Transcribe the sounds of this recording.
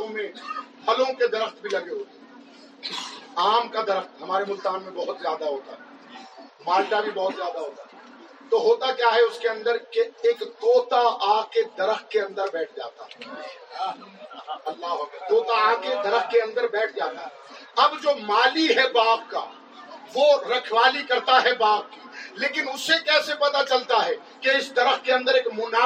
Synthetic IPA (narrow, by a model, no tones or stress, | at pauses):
õmẽpɐlõked̪ɐɾəxt̪bʱilɐɡeɦoːt̪e | aːmkad̪ɐɾəxt̪ɦɐmaːɾemʊlt̪aːnmẽbɐɦʊt̪zjaːd̪aɦoːt̪aɦɛ | maːlʈ̪abʱĩbɐɦʊt̪zjaːd̪aɦoːt̪aɦɛ | t̪oɦoːt̪akjaːɦɛʊskeɐ̃nd̪əɾkeeːkɡoːt̪aaːked̪ɐɾəxt̪̚keɐ̃nd̪əɾbɛːʈʰd͡ʒaːt̪aɦɛ | ɐlːaːɦʋəkɡoːt̪aaked̪ɐɾəxkeɐ̃nd̪əɾbɛːʈ̚ʰd͡ʒaːt̪aɦɛɐbd͡ʒoːmaːliɦɛbaːp̚ka̰ | ʋoɾɐkʰwaːlikɐɾt̪aɦɛbaːp̚kiːleːkɪnʊsːekɛːsepɐt̪at͡ʃɐlt̪aɦɛ | keɪsd̪ɐɾəxkeɐ̃nd̪əɾeːkmʊnaː